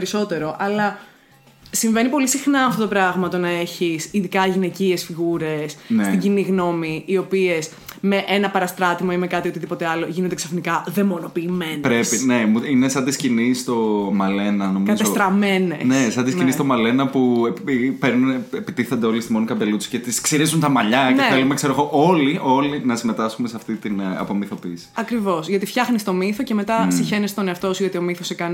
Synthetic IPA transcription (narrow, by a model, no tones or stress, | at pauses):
eɾiso̞t̪e̞ɾo̞ʔɐlɐ | siɱvenipo̞lisixnɐɐft̪ot̪opɾɐɣmɐt̪o̞nɐe̞çisiðikɐʝine̞ciesfiɣuɾe̞snesiɲɟiniɣno̞miio̞pie̞s | me̞ʔe̞nɐpɐɾɐst̪ɾɐt̪imɐimekɐt̪io̞t̪iðipo̞t̪e̞ɐlo̞ʝinond̪eksɐfnikɐðe̞mo̞no̞piːme̞nɾesineuinesɐnd̪iscinist̪o̞mɐle̞nɐnomɐizesot̪ɾɐme̞nensesɐnd̪iscinist̪omɐle̞nɐpuepeɾnunepit̪iθɐnd̪eo̞list̪imo̞nikɐbe̞lut͡si̥cet̪isksiɾizunt̪ɐmɐʎɐceθelumekseɾoɣoʔoliʔo̞linɐsime̞t̪ɐskumeseɐft̪it̪inɐ̰po̞miθo̞piːsi̥ɐkɾivo̞sʝɐt̪ifçɐxnist̪o̞miθoceme̞t̪ɐsiçe̞nist̪oneɐft̪osuʝot̪io̞miθosekɐni